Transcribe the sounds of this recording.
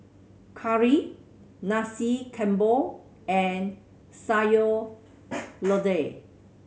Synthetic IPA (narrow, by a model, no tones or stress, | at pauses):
kʰaɹi | nasikʰɛ̃mbo | ɛ̃n | sajo | lɔde